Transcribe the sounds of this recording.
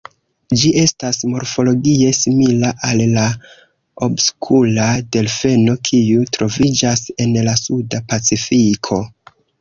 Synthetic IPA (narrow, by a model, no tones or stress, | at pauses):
d͡ʒiʔe̞stasmo̞ɾfo̞lo̞ɡie̞similaʔalːa | obskʰulade̞lfe̞no̞kʰiutɾo̞vid͡ʒase̞nlasudapat͡sifikʰo̞